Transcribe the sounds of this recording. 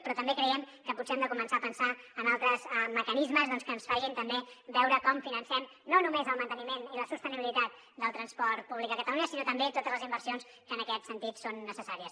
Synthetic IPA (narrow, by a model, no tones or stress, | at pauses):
pɾɔt̪əmbekɾəɛm | kəputt͡sseɛmd̪əkumənsaːpənsaənalˠt̪ɾəzəməkənizməzðɔnskəːnsfaʒint̪əmbebɛwɾəkɔmfinənsɛm | nonumezəlˠmənt̪ənimeniləsust̪əniβilit̪at̪̚ | d̪əlˠt̪ɾənspɔɾt̪̚puβlik̪̚əkət̪əluɲəsinot̪əmbet̪ot̪əzləzimbəɾsions | kənəkɛt̪sənt̪it̪sonːəsəsaɾiəs